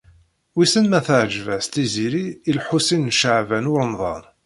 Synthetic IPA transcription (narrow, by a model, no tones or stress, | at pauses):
wisənmæθəʕʒvæst̪iziɾiːlħusinʃəʕvænʊɾənðˤɑ̰n